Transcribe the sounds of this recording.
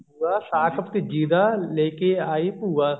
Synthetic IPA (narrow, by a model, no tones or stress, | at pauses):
puːaːsaːkʰəpt̪ed͡ʒiːd̪aːleːkeaːipuːaː